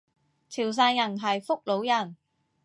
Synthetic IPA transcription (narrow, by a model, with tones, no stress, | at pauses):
t͡sʰiː˨˩ws̬aː˧njɐ˨˩nɦɐ˨jfʊ˥k̚lo˨˥wjɐ˨˩n